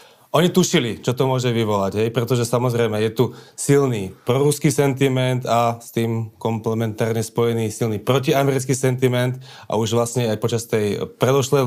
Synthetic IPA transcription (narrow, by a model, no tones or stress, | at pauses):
ʔɔɲit̪uʃilit͡ʃɔt̪ɔmʊɔʒɛʋiʋɔlaɟɦɛjpɾɛt̪ɔʒɛsamɔzɾɛjmɛjɛt̪usilniːpɾɔɾuskiːsɛnt̪imɛnd̪ast̪iːmkɔmplɛmɛnt̪aːɾɲɛspɔjɛniːsilniːpɾɔciamɛɾit͡skiːsɛnt̪imɛnd̪ | ʔa̰uʒʋlasɲɛajpɔt͡ʃast̪ɛjpɾɛd̪ɔʃlɛ